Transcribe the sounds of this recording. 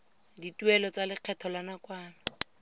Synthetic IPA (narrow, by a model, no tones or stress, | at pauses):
ditʼwɛlɔt͡salɪq͡χʰɛtʰɔlanakʼwaːna